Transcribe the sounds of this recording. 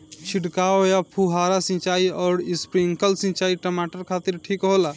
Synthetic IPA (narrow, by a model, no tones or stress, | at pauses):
t͡ʃʰiɖkaojapʰuɦaɾasĩt͡ʃaiɔːɾispɾiŋkəlsĩt͡ʃaiʈəmaʈəɾkʰat̪iɾʈʰikɦola